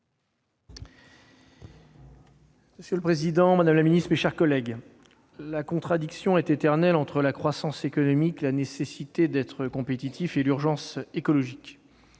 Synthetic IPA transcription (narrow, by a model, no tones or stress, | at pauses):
məsjøləpχezid̪ɑ̃mad̪amlaminist̪eʃɛʁkɔlɛɡ | lakɔ̃t̪χad̪iksjɔ̃ɛt̪et̪ɛʁnɛlɑ̃t̪χəlakχwasɑ̃sekɔnɔmikelanesesit̪ed̪ɛt̪χəkɔ̃pet̪it̪ʰifelyʁʒɑ̃sekɔlɔʒik